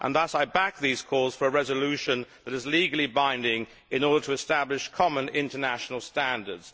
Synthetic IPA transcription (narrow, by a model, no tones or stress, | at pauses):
ʔə̰̃nðʌsaɪbæk̚ðiz̥kʰɔz̥fə˞əɹɛzəlʉʃə̃nðəɾɨzliɡəl̩ˠibãɪ̃ndɪ̃ŋ | ɪ̃nɔɹɾə˞tʰəɨstæblɪʃkʰɑmə̃nɪ̃ntənæʃn̩l̩ˠstæ̃ndə˞dz̥